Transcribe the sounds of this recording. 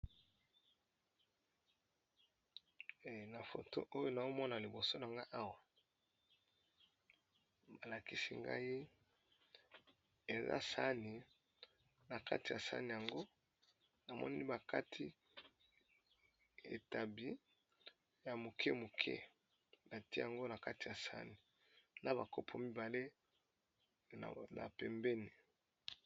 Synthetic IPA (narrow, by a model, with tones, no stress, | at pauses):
na˨fo̰˨to̰˦ʔo˦jo˦na˨o˦mɔ˦na˨li˨bo˨so˦na˨ŋɡa˦ʔa˦wa˨ | ba˨la˨ki˦si˦ŋɡa̰˦ji˦ | e˨za̰˦sa˦ni˨ | na˨ka̰˦ti˨ja˨sa̰˦ni˨ja˨ŋɡo˦ | na˨mɔ̰˦ni˦ba˨ka˦tʰi˦ | ḛ˨ta˨bi˦ | ja˨mu˨kʰe˦mu˨kʰɛ̰˦ | na˨ti˦ja˨ŋɡo˦na˨ka˦ti˨a˨sa̰˦ni˨ | na˦ba˨ko˦pʰo˨mi˦ba˨le˦ | na̰˨pɛ˨mbe˦ni˨